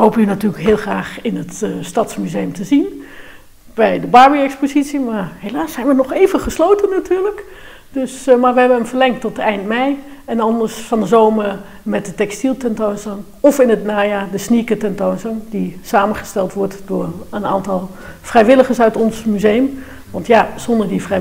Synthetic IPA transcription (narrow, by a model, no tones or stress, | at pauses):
ɦowpənynatyːləkɦɪːlˠχraːχɪnətstɑtsmyzejəmtəzin | b̥ɛjdəbɑɹbiɛkspozitsimaːɹɦelaːsːɛjnʋənɔχejvənχəslowtənːatyːɹlək | d̥øsmaːɹʋəɦɛbənəmvəɹlɛŋk̚tɔtɛjntmɛj | ɛnɑndəɹsfɑndəzowməɹ | mɛt̚dətɛkstilˠtɛntownsɑŋ | ɔfɪnətnaːjaːdəsnikətɛntownsɑŋdisaːmənχəstɛlˠtʋɔɹtd̥ʊːɹəna̰ːntɑlˠ | frɛjʋɪləχəɹsœɥtɔnsmyzejəm | ʋɑntjaz̥ɔndəɹdifrɛ